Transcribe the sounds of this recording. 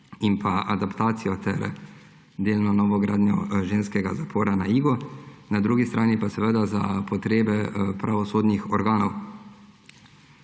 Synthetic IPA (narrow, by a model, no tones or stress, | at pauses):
impʰaʔad̪apt̪aːt̪sijɔt̪ɛ̰ɾ | d̪eːlnɔnɔːʋɔɡɾaːd̪nʲɔʒeːnskɛɡazapʰoːɾanaiːɡɔnad̪ɾuːɡist̪ɾʔaːnipasɛʋəd̪aza̰pɔt̪ɾeːbɛpɾaʋɔsoːd̪nixɔɾɡaːnɔw